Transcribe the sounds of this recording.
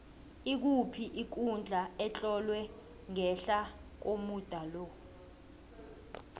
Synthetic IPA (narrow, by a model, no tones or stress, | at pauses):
ik̬upʰiʔik̬und͡ɮʱaɛt͡ɬʼɔlwɛ | ŋɛɬak̬omud̥ʱalɔ